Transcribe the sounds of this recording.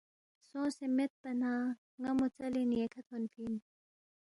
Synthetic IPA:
sõːsemet̪̚pɐnaː | ŋɐmut͡sɐliniekʰɐt̪ʰonpʰin

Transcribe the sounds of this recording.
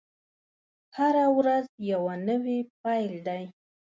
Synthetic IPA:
haɾawɾazjawanəwep̚ajld̪aj

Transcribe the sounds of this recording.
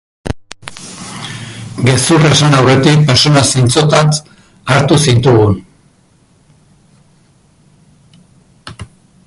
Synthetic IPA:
ɡe̞suresanawre̞t̪ik̚peɾt͡ʃonasint͡so̞t̪at͡s | aɾt̪usint̪uɣun

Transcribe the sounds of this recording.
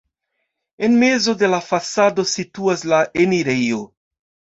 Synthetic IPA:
e̞nme̞zo̞de̞lafasado̞situaslaʔeniɾejo

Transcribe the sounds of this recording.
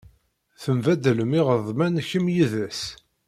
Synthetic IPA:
θəmvæd̪ələmiʁəðˤmænçəmjiðæs

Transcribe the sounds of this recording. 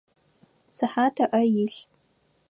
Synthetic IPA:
saħatʰaʔajiɬ

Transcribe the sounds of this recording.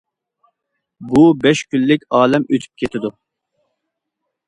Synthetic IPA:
bubɛʃkʲʰynːɪkʲɑːlɛmøt̪ʰy̥p̚kʲʰet̪ʰɪd̪u

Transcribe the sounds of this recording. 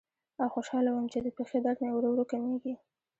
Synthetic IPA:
awxoʃɑlawəmt͡ʃed̪əpexed̪ɑʈnawɾowɾukameɡi

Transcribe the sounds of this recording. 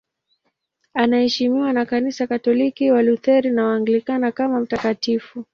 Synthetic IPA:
anahɛʃimiwanakanisakatɔlikiwaluθɛɾinawaːŋɡlikanakamam̩takatifu

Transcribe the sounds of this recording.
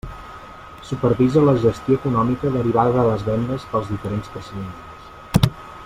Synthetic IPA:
supəɾβizələʒəst̪joəkunɔmikəðəɾiβ̞aðəðələzβɛnd̪əspəlˠzðifəɾenspɾəsəðent̪ | s

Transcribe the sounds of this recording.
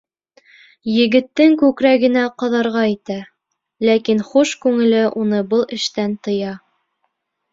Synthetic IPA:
jɘ̆ɡɘ̆t̪ːɘŋkʉkɾæɡɘ̆næqɑðɑɾʁɑit̪æ | lækinχuʃkʉŋɘ̆lɘʔunɤbɤlˠɘ̆ʃt̪ænt̪ɤ̆jɑ

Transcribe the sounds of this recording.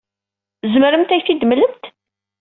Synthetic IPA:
zəməɾəmt̪æjθid̪mələmt̪

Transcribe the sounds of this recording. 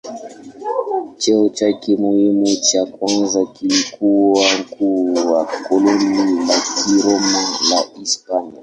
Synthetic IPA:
t͡ʃɛɔt͡ʃakimuhimut͡ʃakwanzakilikuwaŋ̩kuːwakɔlɔnilakʰiɾɔmalaʔispan

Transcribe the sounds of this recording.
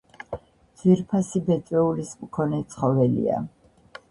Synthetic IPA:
d̪ziɾpʰasibɛt̪ʼwɛulismkʰɔnɛt̪sʰχɔvɛlḭa̰

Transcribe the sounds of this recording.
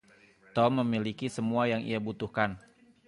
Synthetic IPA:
t̪ɔmːəmilikisəmuajaŋḭjabut̪uhkan

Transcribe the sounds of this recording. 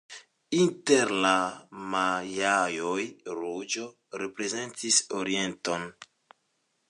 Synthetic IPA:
inteɾlamajajojɾud͡ʒo̞ | ɾepɾe̞ze̞ntisoɾie̞nton

